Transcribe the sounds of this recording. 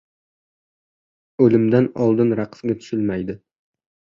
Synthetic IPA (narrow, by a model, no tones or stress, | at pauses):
ɵlɪmd̪anɒlˠd̪ɪnɾaqʰɨ̥sɡʲat̪ʰʊ̥ʃɪlmajd̪ɪ